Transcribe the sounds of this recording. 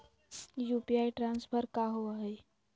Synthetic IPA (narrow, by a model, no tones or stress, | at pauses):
jupiaiʈɾãnspʰəɾkaɦoaɦe